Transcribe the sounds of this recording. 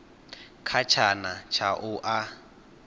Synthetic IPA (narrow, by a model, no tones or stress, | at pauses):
kʰat͡ʃʰanat͡ʃʰaʔʊʔa